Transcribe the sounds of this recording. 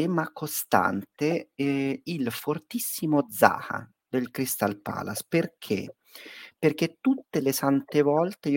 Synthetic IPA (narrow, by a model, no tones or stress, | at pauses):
ɛːmakost̪a̰nt̪e | ilfort̪isːimod̪za̰ːha̰ | d̪elkɾist̪alpa̰ːlasperkʰḛ | perk̟et̪ːut̪ːelesant̪evɔlt̪ei